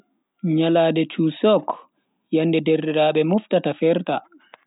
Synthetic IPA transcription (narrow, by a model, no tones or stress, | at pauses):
ɲalaːdɛt͡ʃuːsɔk | janːdɛdɛrdɛɾaːɓɛmuftatafɛɾta